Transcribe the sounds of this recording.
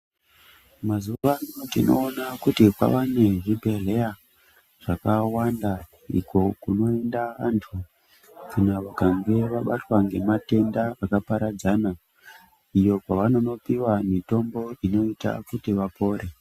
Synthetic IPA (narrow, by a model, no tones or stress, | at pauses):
mazuʋanotino̞̰ːnakutikwa̰ʋane̞ʐibʱele̞ja | ʐ̥akawanda | ḭkʰo̞kuno̞endaantʰu | kʰunaʋakaŋɡe̞ʋaɓatwaŋɡe̞mate̞ndaakapaɾad͡zana | ijo̞kwaʋano̞no̞piwamito̞mbo̞ino̞ita̰kutiʋapo̞ːɾe̞